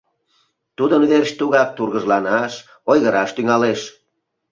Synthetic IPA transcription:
t̪ud̪ənβerɕt̪uɣɑk̚t̪urɣəʒlɑnɑʃ | ojɣəɾɑʃt̪yŋɑleʃ

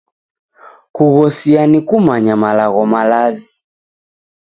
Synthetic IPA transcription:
kuɣɔsianikumaɲamalaɣɔmalazi

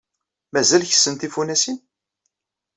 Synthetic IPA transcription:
mæzælçə̥sːənt̪ifunæsin

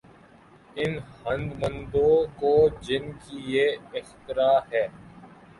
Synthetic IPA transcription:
ɪnhɐ̃nd̪mə̃nd̪õkod͡ʒɪnkijeːɪxt̪ɪɾaːɦɛː

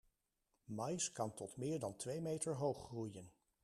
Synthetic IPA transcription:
mɑjskɑntɔtmɪːɹdɑntʋejmejtəɹɦowχrujən

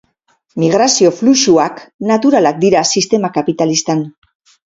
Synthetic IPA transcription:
miɣ̞ɾasio̞fluʃuaknat̪uɾalak̚d̪iɾasist̪e̞makapit̪alist̪an

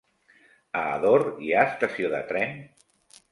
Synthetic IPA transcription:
ə̰ːðoɾiast̪əsioðə̰t̪ɾɛn

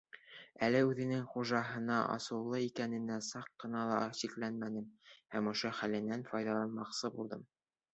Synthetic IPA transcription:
ælɘʉðɘ̆nɘŋχuʒɑɦɤ̆nɑʔɑ̰sɤ̆lˠːɤikænɘ̆næsɑqːɤ̆nɑlˠɑɕiklænmænɘmhæmŏʃoχælɘ̆nænfɒjðɑlˠɑnmɑqsɤbulˠd̪ɤm

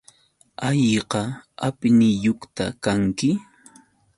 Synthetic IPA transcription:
aʎqɑapɪnɪjoχt̪a̰kaŋkɪ

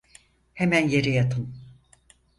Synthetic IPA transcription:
hemænje̞ɾɛjat̪ʰɯn

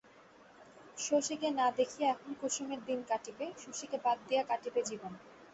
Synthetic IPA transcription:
ʃoʃikenad̪ekʰijaɛkʰonkuʃomeɾd̪inkaʈipeʃoʃikebad̪̚d̪ijakaʈibed͡ʑibon

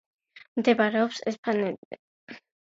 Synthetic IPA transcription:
md̪ɛbaɾɛɔpsɛspʰanɛt̪ɛ

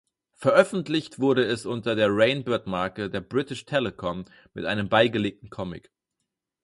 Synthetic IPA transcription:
fɛɐʔœfn̩tlɪçtv̥ʊɐɾəɛsʔʊntɐdeːɐʁeɪnbɛɐtmaɐkədeːɐbʁɪtɪʃtʰɛləkʰɔmː | ɪ̰tʔaɪnəmbaɪɡəleːk̚tn̩kʰɔmɪ̰k

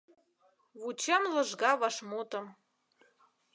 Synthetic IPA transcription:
βut͡ɕemlɤ̆ʒɣɑβɑʃmot̪ə̆m

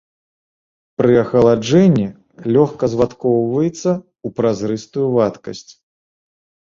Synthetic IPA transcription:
pɾɨɐxɐlˠad͡ʐɛnʲːi | lʲɔxkɐzvat̪kɔwvɐjɛt̪sːɐ | upɾazɾɨst̪ujuvat̪kɐsʲt͡sʲ

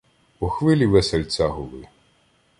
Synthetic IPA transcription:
pɔxʋɪlʲiʋɛsɛlʲt̪t͡s̪ʲaɦʊlˠɪ̰

